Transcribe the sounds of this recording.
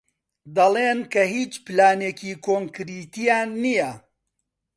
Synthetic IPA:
d̪ɐleːnkɐhiːt͡ʃpɨlaːneːciːkʰoːŋkɾiːt̪ijaːnːijɐ

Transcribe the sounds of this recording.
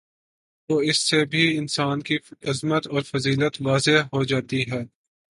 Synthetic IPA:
ʋoːɪsːebʱiɪnsaːnkiɐzmət̪ɔːɾfɐziːlət̪ʋaːzeɦɦod͡ʒaːt̪iɦɛː

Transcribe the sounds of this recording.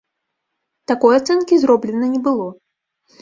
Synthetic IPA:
t̪akɔjat̪sɛnkʲizrɔblʲɛnɐnʲɛbɨlˠɔ

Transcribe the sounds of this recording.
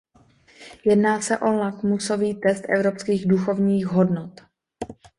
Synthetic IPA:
jɛdnaːsɛʔo̞lakmuso̞viːt̪ɛst̪ʔɛ̰vɾo̞pskiːɣduxo̞vɲiːxɦodnot̪

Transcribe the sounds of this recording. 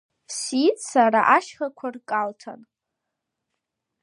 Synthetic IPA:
sit͡sʼsaɾaʔaʃχakʷʰarkʼaltʰa̰n

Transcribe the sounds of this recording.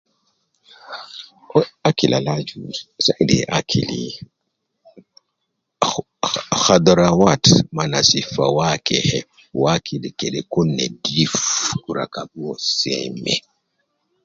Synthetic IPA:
akilʔalad͡ʒusadɛ̰ʔakʰili | xadɔɾawatmanasifawakɛhɛ | wakʰilikɛɗɛkunːɛdifkuɾa̰kabuɔsɛ̰mɛ̰

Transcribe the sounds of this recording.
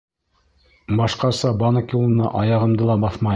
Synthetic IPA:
bɑʃqɑsɑbɑnɑkʲulˠɤ̆nɑ̰ʔɑjɑʁɤ̆md̪ɤlˠɑbɑθmɑ

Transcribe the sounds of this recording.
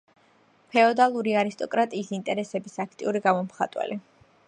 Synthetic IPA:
pʰɛɔd̪alˠuɾiaɾist̪ʼɔkʼɾat̪ʼiːsint̪ʼɛɾɛsɛbisakʰt̪ʼḭuɾiɡamɔmχat̪ʼwɛ̰li

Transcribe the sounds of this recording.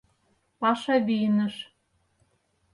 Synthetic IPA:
pɑʃɑβijnə̆ʃ

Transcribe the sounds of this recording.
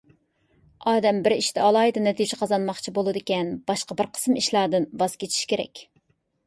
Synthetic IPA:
ɑːd̪ɛmbɪɾiʃt̪ʰɛɑlˠɑːjid̪ɨnɛt̪ʰid͡ʒɪqʰɑzɑnmɑχt͡ʃʰibolˠɨd̪ɪkʲɛnb̥ɑʃqɑbɪɾqʰə̥smiʃlˠɑɾd̪ɨnvɑz̥kʲet͡ʃ̪ʰi̥ʃkʲeɾɛ̰kʲ

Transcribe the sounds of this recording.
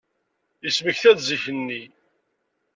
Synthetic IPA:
jəsməçθæðziçənːi

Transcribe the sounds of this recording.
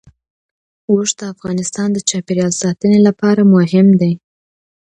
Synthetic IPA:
woʂd̪əafɣɑnɪst̪ɑnd̪ət͡ʃɑpeɾjɑlsɑt̪ənelapɑɾamʊɦɪmd̪aj

